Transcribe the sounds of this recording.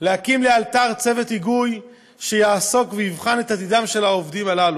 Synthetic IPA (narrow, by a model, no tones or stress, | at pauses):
lehakimlealt̪aʁt͡se̞ve̞tiɡuj | ʃejaːso̞kvejivχane̞t̪at̪id̪amʃe̞laovd̪imalalu